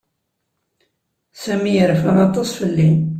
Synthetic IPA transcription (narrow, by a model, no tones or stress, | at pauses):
sæmijəɾfaɾɑt̪ˤɑsˤfəlːin